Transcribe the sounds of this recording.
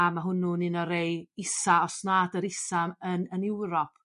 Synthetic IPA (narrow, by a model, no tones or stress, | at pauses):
amaɦʊnʊnɪnɔɾejɪsaɔsnadəɾɪsamənənɪwɾɔpʰ